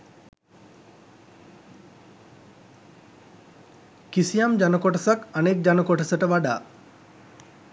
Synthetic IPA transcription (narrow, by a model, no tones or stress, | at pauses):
kisijamd͡ʒanəkoʈəsakanek̚d͡ʒanəkoʈəsəʈəʋaɖa̰ː